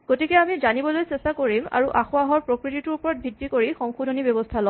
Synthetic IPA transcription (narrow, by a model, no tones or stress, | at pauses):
ɡ̥otikɛamizanibɔlojsestakoɹima̰ɹuʔaxʊaɦɔɹpɹokɹititʊɹupɔɹɔt̚bʱidːikoɹixɔŋxudʱonibɔbɔstʰalɔ